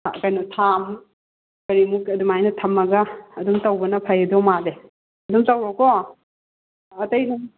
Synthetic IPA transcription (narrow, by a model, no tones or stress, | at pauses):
ɐ̰kajnɔtʰam | kɐɾimukɐdumajnɐtʰɐmːɐɡɐːdumtɐwbɐnɐpʰajedomale | ɐdumtɐwɾɔkɔ | ɐtɐjnɐ